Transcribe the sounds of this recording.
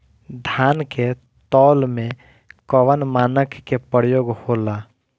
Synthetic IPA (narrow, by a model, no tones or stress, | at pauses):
d̪ʱaːnke | t̪ɔːlmẽ | kɔʋənmaːnəkːepəɾjoːɡhoːlaː